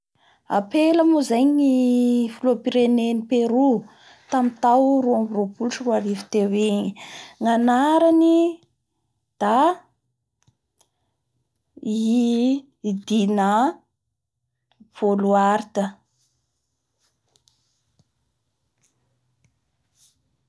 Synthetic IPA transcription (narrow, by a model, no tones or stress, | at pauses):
a̰peləmuzajɲifulopiɾenenipeɾu | t̪amit̪awɾuamiropuluʈ͡ʂəruaɾivi̥t̪eweɲiŋanaɾani | d̪̥a | i | d̪ina | v̥oluaɾit̪ə